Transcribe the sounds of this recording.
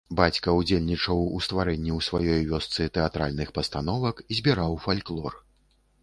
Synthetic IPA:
bat͡sʲkɐud͡zʲelʲnʲit͡ʂɐwust̪vaɾɛnʲːiwsvajɔjvʲɔst̪sɨt̪ɛat̪ɾa̰lʲnɨxpɐst̪anɔvɐkizʲbʲiɾawfalʲklˠɔr

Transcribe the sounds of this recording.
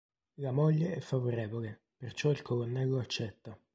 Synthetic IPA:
lamoʎːeɛfːavoɾeːvole | pert͡ʃɔilkʰolonːɛlːoat͡ʃːɛt̪ːa

